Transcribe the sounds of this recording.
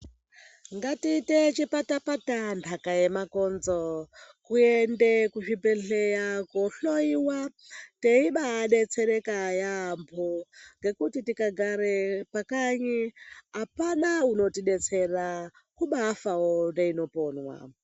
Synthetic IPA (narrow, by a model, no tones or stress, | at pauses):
ŋɡatiːtet͡ʃipatapatantʰakajemakonzokuendekuʃibeɬejakoɬoiwa | teiɓaːɗe̞t͡seɾekajampʰoŋɡe̞kutitikaɡʱaɾepakaɲiɦapanauno̞tiɗe̞t͡se̞ra | kuɓafawondeino̞poːnwa̰